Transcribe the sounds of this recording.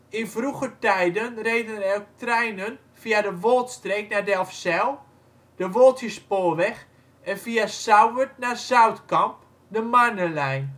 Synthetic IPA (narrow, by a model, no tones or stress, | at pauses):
ɪnfruɣətɛjdənrejdənərɛlk̚trɛjnən | fiadəʋolˠtstreːk̚nadɛlˠfsɛlˠ | d̥əʋolˠtjəspoːʋɛx | ɛnfiasawətnarsawtkɑmp | dəmanəlɛjn